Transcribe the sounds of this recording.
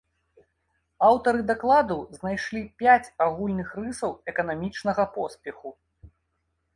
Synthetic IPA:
awt̪ɐɾɨd̪aklˠad̪uznajʂlʲipʲat͡sʲaɣulʲnɨxrɨsɐwɛkɐnamʲit͡ʂnɐɣɐpɔspʲɛxu

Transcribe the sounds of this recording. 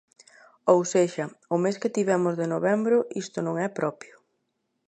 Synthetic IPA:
owseʃɐʊmeskɪt̪iβɛmʊzðenoβɛmbɾʊʔist̪ʊnõŋɛpɾɔpjʊ

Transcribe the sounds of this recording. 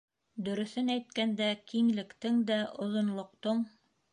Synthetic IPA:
d̪ɵ̆ɾɵ̆θɘnæjt̪kænd̪ækiŋlɘ̆kt̪ɘŋd̪æʔŏðŏnlˠŏq̚t̪oɴ

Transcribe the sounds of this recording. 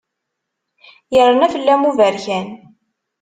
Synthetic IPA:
jəɾˤːənæfəlːæmuvæɾçæn

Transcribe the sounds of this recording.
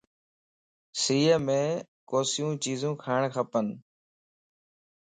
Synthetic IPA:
siːəmẽː | koːsɪjũːt͡ʃiːzũːkʰaːɳkʰəpən

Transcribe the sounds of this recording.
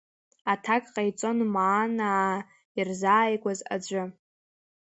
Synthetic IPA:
atʰakʼqʼajt͡sʼo̞nmaːnaː | irzaːjɡʷʼaza̰d͡ʒʷʼʊ

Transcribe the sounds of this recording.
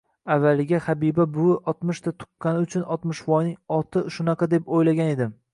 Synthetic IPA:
avːalɪɡʲahabibabʊʔɒt̪mʊʃt̪ʰat̪ʰʊ̥qːɑnɪʊt͡ʃʰʊnɒt̪mɪʃvɒjnɪŋɒt̪ʰɪʃʊnɑqʰɑd̪e̞pojlaɡʲane̞d̪ɪm

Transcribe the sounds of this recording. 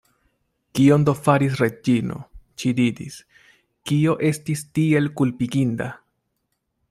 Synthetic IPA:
kio̞ndo̞faɾis̬ɾed͡ʒino̞̰ʃidiɾḭs | kio̞ʔe̞stistie̞lkulpiɡinda

